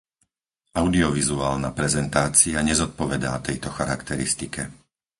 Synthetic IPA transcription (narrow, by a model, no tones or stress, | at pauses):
aʊd̪iɔʋizuaːlnapɾɛzɛnt̪aːt͡siaɲɛzɔt̪̚pɔʋɛd̪a̰ːt̪ɛjt̪ɔxaɾakt̪ɛɾḭst̪ikʰɛ